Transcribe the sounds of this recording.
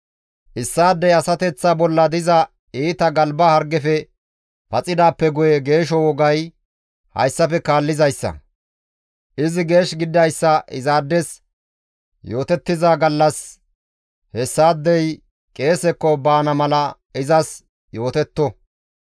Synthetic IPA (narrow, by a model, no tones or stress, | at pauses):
ʔɪsːaːd̪ːɛjɐsɐt̪ɛt͡sːabɔlːɐd̪ɪzɐ | iːt̪ɐɡɐlbɐhɐɾɡɛfɛ | pɐt͡sʼɪd̪aːpːɛɡʊjɛɡe̞ːʃ̬ɔwɔɡɐj | hɐ̰jsːɐfɛkaːlːɪzɐjsːɐ̰ | ʔɪzɪɡe̞ːʃɡɪd̪ːɐjsːɐʔɪzaːd̪ːɛs | jo̞ːt̪ɛt̪ːɪzaːɡɐlːɐs | hɛsːaːd̪ːɛj | kʼe̞ːsɛkːɔbaːnɐmɐlɐ | ɪzɐs | jo̞ːt̪ɛt̪ːɔ